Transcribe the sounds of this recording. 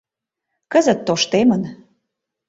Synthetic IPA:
kəzə̆t̪ːoʃt̪emən

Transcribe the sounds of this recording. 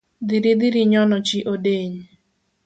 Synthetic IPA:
d̪iɾid̪iɾiɲɔnɔt͡ʃiʔodeɲ

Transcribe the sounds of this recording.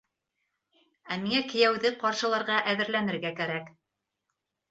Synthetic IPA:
æmiŋækɘ̆jæwðɘqɑɾʃɤ̆lˠɑɾʁɑʔæðɘ̆ɾlænɘ̆ɾɡækæɾæk

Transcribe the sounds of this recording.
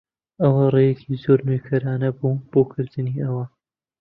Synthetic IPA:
ʔɐwɐrejɛkʰiːzoɾnujkʰɐɾaːnɐbuːb̥oːkʰɨɾd̪ɨniːɐwɐ

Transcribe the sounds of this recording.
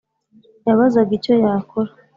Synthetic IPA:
jaβazaɡico̞jaːkʰoɾa

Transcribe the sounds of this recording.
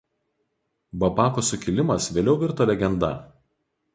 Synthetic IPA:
bɐbɑːkoːsʊkʲɪlʲɪmɐsʋʲeːlʲɛʊʋʲɪɾt̪oːlʲɛɡʲɛnd̪ɐ̰

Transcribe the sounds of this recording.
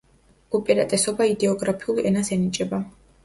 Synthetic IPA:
upʼiɾat̪ʼɛsɔbaid̪ɛɔɡɾapʰiulˠɛnasɛnit͡ʃʼɛba

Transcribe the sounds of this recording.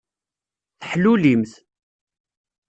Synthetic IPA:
θəħlulimθ

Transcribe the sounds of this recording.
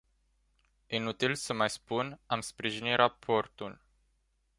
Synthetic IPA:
inut̪ilsəmajspunamspɾiʒinirʔapʰo̞rt̪ul

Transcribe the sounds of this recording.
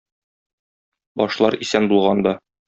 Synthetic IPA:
bɒʃlˠɑɾisænbulˠʁɑnd̪ɑ

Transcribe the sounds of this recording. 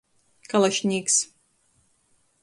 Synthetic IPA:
kalˠaʃnʲiːks

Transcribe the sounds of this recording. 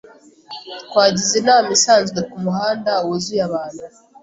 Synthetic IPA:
kwaːɟizenamisaːnzɡekumuhaːndawozujaβaːndu

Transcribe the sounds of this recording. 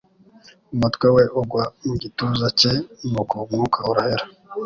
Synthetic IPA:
umutkweweʔuɡwaiɟituzacenukomŋukʰauɾaheɾa

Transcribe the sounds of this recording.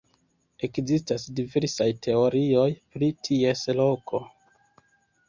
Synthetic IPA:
e̞kzistasdive̞ɾsajtʰe̞o̞ɾio̞jpɾitʰieslo̞kʰo̞

